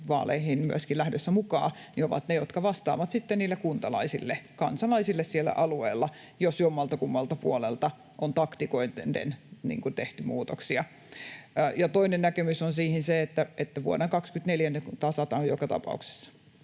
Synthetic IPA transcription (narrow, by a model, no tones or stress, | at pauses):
ʋɑ̰ːlḛihinmyæskilæhdøsːæmukɑ̰ːnioʋɑ̰t̪nejot̪kɑʋɑst̪ɑ̰ːʋɑt̪sit̪ːenniːlːekkunt̪ɑlɑ̰isilːekɑnsɑlɑisilːessielːæ̰ʔɑlueːlːɑ | josjomːɑlt̪ɑkumːɑlt̪ɑpuolelt̪ɑ | ʔont̪ɑkt̪ikoinndḛnnḭːŋkut̪eht̪ymuːt̪oksiɑ | jɑt̪oinennækemysonsiːhinseet̪ːæʔet̪ːæʋuo̰neŋkɑkskyt̪neljænːekut̪ɑsɑt̪ɑojokɑt̪ɑ̰pɑ̰ṵkse̥sːɑ̥